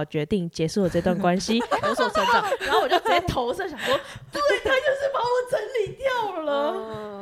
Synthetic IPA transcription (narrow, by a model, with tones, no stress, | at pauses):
t͡ɕɥɛ˧˥t̪i˥˩ŋt͡ɕjɛ˧˥ʂu˥˩˨t͡sə˥˧t̪wa˥˩nkwa˥nɕi˦wɔ˧˥˦swɔ˨˧˦sɔ˨˧˥t͡ɕɑ˨˦˨o˥˩wjʊkʰa˥˩ɪt̪ʰo˧˥ʊsɤ˥˩ɕjɑ˨˩ŋ˩ŋʂwɔ˥t̪t̪ʰa˥t͡ɕjo˥˧ʊʂɻ̩˥˩pa˨˥wɔ˨˩˦t͡sə˧˥nli˨˩˦t̪jɑ˥˩ʊlə˩